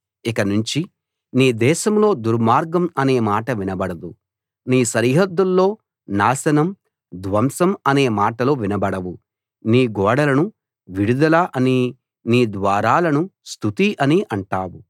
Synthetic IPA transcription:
ikɐnuɲt͡ʃi | niːd̪ɛːʃɐmlo̞ːd̪uɾmaːɾɡɐmɐneːmaːʈɐʋinɐbɐɽɐd̪u | niːsɐɾiɦɐd̪ːulːo̞ː | naːsɐnɐm | d̪ʋɐmsɐmɐne̞ːmaːʈɐlo̞ːʋinɐbɐɽɐwu | niːɡɔːɽɐlɐnu | ʋiɽud̪ɐlɐʔɐni | niːd̪ʋaːɾaːlɐnust̪ʰut̪iʔɐniʔɐɳʈaːwu

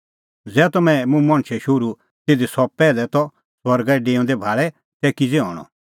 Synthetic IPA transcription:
d͡zɛːt̪ɔmɛ̃mũmɐ̃ɳ̃t͡ʃʰɛʃʊɾu | t̪ed̪isɔpɛːlɛt̪ɔ | swɐɾɡɛɖeːɔ̃nd̪ɛbʱaːɭɛ | t̪ɛːkid͡zeɔ̰̃ːɽ̃ɔ̰̃

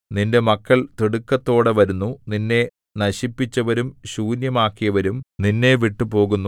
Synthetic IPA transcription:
ninde̞mɐkːɐɭt̪iɽukːɐt̪ːo̞ːɽeʋɐɾunːuninːe̞ | nɐɕipːit͡ɕːɐʋɐɾumɕuːnjɐmaːkːijɐʋɐɾumninːe̞ʋiʈːupo̞ːɣunːu

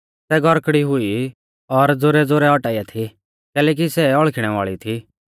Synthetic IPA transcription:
sɛɡʱɔɾkɽiɦʊi | ɔɾd͡zoɾɛd͡zoːɾɛɔʈaːiat̪ʰi | kɛːlɛːk̬isɛɔɭkʰɪɽ̃ɛʋa̰ːɭit̪ʰi

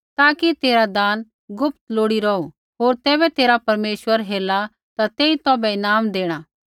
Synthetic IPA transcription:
t̪aːkit̪eːɾad̪aːn | ɡʊp̚t̪loːɽiɾɐu | ɦoːɾt̪ɛːβɛt̪eːɾapɐɾmeːʃwəɾɦeːla | t̪at̪eːit̪ɔːbɛɪnaːmd̪eːɽ̃aː

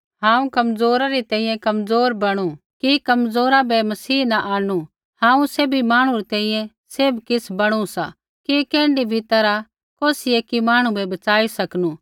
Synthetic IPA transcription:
ɦãːũkɐmzoːɾaɾit̪ɛ̃ːĩjɛ̃kɐmzoːɾbɐɽ̃u | kikɐmzoːɾabɛmɐsiːnaʔaːnu | hãːũseːbʱimaːɽ̃ũɾɛt̪ɛ̃ːĩjɛ̃ | sebkɪsbɐɽ̃usa | kikɛ̃ːɳɖibʱɪt̪aɾa | koːsieːkimaːɽ̃ũbɛbɐt͡ʃaːisɐknuː

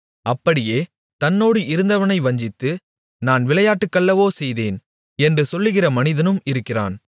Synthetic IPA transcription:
ɐpːɐɽɪjeː | t̪ɐnːoːɽɯʔɪɾɯnd̪ɐʋɐnɐɪʋɐɲd͡ʒɪt̪ːɯ | naːnʋɪɭɐjaːʈːɯkːɐɭːɐʋoːsɛjðeːn | ɛndrɯsɔlːɯɣɪrɐmɐnɪðɐnɯmɪɾɯkːɪra̰ːn

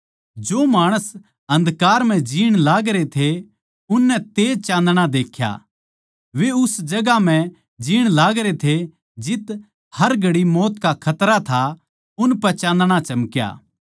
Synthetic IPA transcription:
d͡ʒoːmaːɽ̃əs | ɦɐ̃nd̪kaːɾmɛ̃d͡ʒiːɽ̃laːɡɾet̪ʰe | ʊnːɛt̪eːd͡ʒt͡ʃãːnd̪ɽ̃ad̪eːkʰja̰ | ʋeʊsd͡ʒɐɡam̤ɛ̃ | d͡ʒiːɽ̃laːɡɾet̪ʰe | d͡ʒɪt̪ | hɐɾɡʱɐɽimɔːt̪kakʰɐt̪ɾat̪ʰa | ʊnpɛt͡ʃãːnd̪ɽ̃at͡ʃɐmkja̰ː

